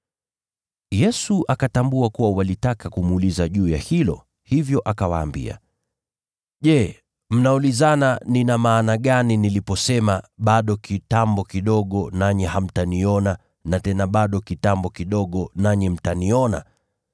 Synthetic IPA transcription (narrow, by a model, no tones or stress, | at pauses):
jɛsuʔakatambuakuwawalitakakumːlizaʄuːjahilɔ̰ | hivjɔʔakawaːmbḭa̰ | ʄɛ | m̩naulizananinamaːnaɠaninilipɔsɛmaɓaɗɔkitambɔkiɗɔɠɔnaɲɛham̩taniɔna | natɛnaɓaɗɔkitambɔkiɗɔɠɔnaɲɛm̩taniɔna̰